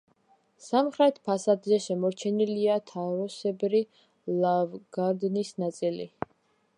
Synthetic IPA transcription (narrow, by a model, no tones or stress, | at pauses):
samχɾɛt̪ʰpʰasad̪zɛʃɛmɔɾt͡ʃʰɛniliat̪ʰaɾɔsɛbɾi | lˠavɡ̥aɾd̪nisnat̪sʼilḭ